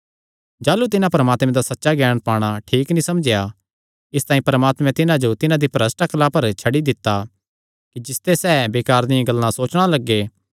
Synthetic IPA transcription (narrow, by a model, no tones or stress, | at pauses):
d͡ʒaːlut̪ɪnãpɐɾəmaːt̪mɛ̃d̪asɐtːʃaɡɛːɽ̃paːɽ̃aʈʰiːknĩsɐmd͡ʒɪja | ɪst̪aːĩpɐɾəmaːt̪mɛ̃t̪ɪnãd͡ʒot̪ɪnãd̪ipɾɐsʈɐklapɐɾt͡ʃʰɐɽid̪ɪt̪ːa | kid͡ʒɪst̪esɛːbeːkaːɾd̪ɪjãɡɐlːãsoːt͡ʃɽ̃alɐɡːeː